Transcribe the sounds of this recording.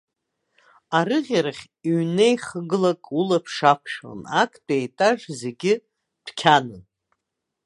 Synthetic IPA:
aɾɨʁʲaɾaχʲ | iɥnejχəɡɨlakʼulapʰʂakʷʰʂo̰nakʼʰdʼejtʼaʐze̞ɡʲɪ | d̥kʲʰanɨn

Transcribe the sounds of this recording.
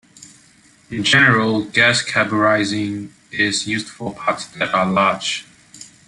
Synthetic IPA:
ɪ̃nd͡ʒɛnəɹəlˠɡæskʰæbəɹaɪzɪ̃ŋ | ɪzjʉzd̥fəpʰɑtsðɨɾəlɑ̥d͡ʒ

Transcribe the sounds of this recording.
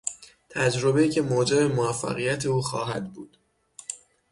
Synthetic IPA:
t̪ʰæd͡ʒɾo̞beiːcʰe̞moːd͡ʒebe̞moæfːæ̰ɣijæt̪ʰe̞uːxɒ̰ːɦæd̪buːd̪̥

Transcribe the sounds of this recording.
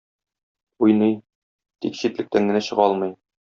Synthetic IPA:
ujnɤj | t̪ikɕit̪lɘ̆k̚t̪æŋɡɘ̆næɕɤ̆ʁɒlˠmɤ̆j

